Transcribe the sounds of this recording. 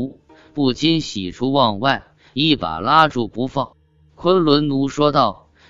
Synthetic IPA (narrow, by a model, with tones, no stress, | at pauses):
pu˥˩t͡ɕi˥nɕi˨˩ʈ͡ʂʰu˥wɑ˥˧ŋwa˥˧ɪ | i˥˩pa̰˨˩la˥ʈ͡ʂu˥˩pu˧˥fɑ˥˩ŋ | kʰwə˥nlwə˧˥nnu˧˥ʂwɔ˥t̪ɑ˥˩ʊ